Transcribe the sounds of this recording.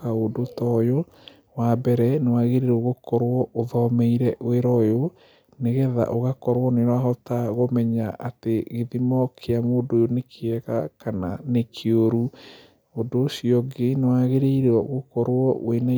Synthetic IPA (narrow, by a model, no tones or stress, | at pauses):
aodotɔjo | wabɛɾɛnewaɣeɾeɾoɣokɔɾwɔoðɔmeiɾɛʔoeɾɔjo | neɣɛða̰ʔoɣakɔɾwɔneɾwaɦɔtaɣomɛɲaʔateɣeðimɔkʰeamoːdojonekʰeɛɣakananekʰeoɾu | odosiɔɡenewaɣeɾeiɾɔɣokɔɾwɔwena